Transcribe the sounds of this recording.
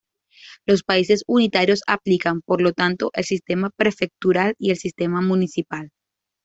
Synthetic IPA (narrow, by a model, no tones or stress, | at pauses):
lo̞spaise̞sunit̪aɾjo̞saplikampo̞ɾlo̞t̪ant̪o̞ʔelsist̪e̞mapɾe̞fe̞k̚t̪uɾalie̞lsist̪e̞mamunisipal